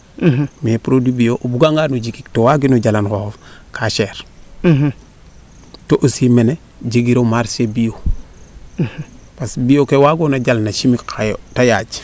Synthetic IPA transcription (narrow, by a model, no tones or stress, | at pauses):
miepɾodibijoʔbuɡaŋɡanuɟikiktowaɡinoɟalankoofkʰaʃeɾ | toʔosimene | ɟeɡiɾomaɾsebijo | pasbijokewaɡonaɟalnaʃimikkʰajtajaːd͡ʒ